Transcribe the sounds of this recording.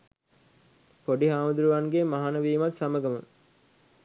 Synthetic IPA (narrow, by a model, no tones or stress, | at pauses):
poɖiɦaːməd̪uɾuʋanɡemaɦanɐʋiːmɐt̪sɐməɡɐmə̰